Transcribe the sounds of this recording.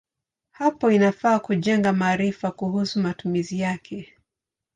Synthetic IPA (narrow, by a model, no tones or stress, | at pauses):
hapɔinafaːkuʄɛŋɡamaːɾifakuhusumatumizijakʰɛ